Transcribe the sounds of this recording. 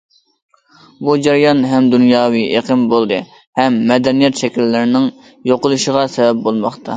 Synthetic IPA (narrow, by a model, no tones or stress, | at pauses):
bud͡ʒɛɾijɑnɦɛmd̪unjɑːwiʔeqʰənbolˠd̪ɨ | hɛmːɛd̪ɛnijɛt̪ʃɛkʲilːɪɾɪnɪŋ | joqʊlˠuʃəʁɑsɛbɛp̚bolˠmɑχt̪ʰɑ